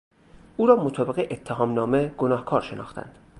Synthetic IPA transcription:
ʔuːɾɒːmot̪ʰɒːbeɣeʔet̪ʰːeɦɒːmnɒːmeɡ̥onɒːhkʰɒːɾʃe̞nɒ̰ːxt̪æ̰nd̪̥

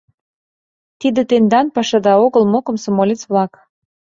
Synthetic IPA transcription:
t̪id̪ə̆t̪end̪ɑnpɑʃɑd̪ɑoɣəlmokə̆msŏmolʲet͡sβlɑk

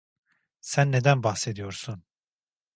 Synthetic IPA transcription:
sænːe̞d̪ænbaxsed̪ijo̞ɾsun

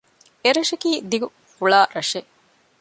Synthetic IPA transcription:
eɾɐʃɐkiːd̪iɡu | huɭaːɾɐʂe

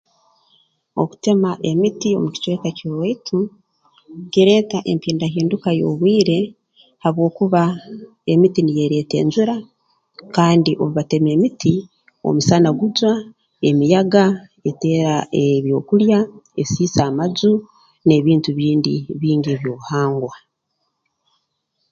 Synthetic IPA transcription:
o̞̰ku̥te̞maʔe̞mitio̞̰muci̥t͡ʃwe̞ːkacoitʰu | ɡ̥iɾe̞ːtaʔe̞mpiːndaɦiːndukajo̞̰ːβwiːɾe̞ | haβwo̞ːkuβa | e̞mitinije̞ɾe̞te̞̰ːɲzuɾa | kaːndiʔoβuβate̞me̞ːmiti | o̞̰musanaɡud͡ʒwa | e̞mijaɡa | e̞te̞ːɾaeβjo̞ːkuɾjae̞siːsaːmazu | ne̞βiːntuβiːndiβiːŋɟieβjo̞ːβuhaːŋɡwa

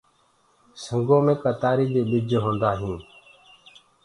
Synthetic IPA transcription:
səŋɡõːmẽːkaːt̪aːɾiːd̪eːɓɪd͡ʒɦõːnd̪aːɦĩː

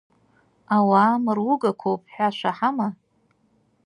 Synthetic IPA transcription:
awaːmɨrwʊɡakʷʰowpʼħʷᶣaʃʷaħama

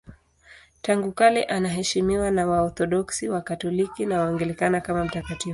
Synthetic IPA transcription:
taŋɡukalɛʔanaɦɛʃimiwanawaɔθɔɗɔksiwakatɔlikinawaɔŋɡɛlɛkanakamam̩takativu

